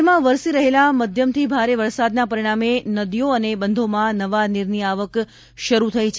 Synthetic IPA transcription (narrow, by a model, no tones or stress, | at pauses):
mãʋəɾsiɾəɦelaməd̪ʱjəmt̪ʰibʱaɾeʋəɾsad̪napəɾiɽ̃amenəd̪ijoənebənd̪ʱomãnəʋaniɾniaʋək | ʃəɾut̪ʰəit͡ʃʰ